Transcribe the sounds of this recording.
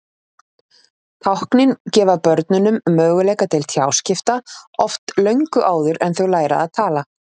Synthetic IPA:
t̪ʰawhknɪncɛːvaðpœɾt̪nʏnʏmːœːɣʏlɛːjkat̪ʰɪlt̪ʰjaːwscɪft̪aɔft̪lœɥŋkʏʔaːwðʏɾɛnθuwlaːjɾa̰aðt̪ʰaːla

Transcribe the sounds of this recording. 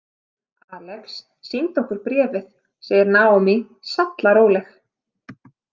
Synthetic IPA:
aːlɛksː | int̪ɔhkʏɾpɾɛːvɪθ | sɛːjɪɾnaːɔmi | sat̪laɾoːwlɛx

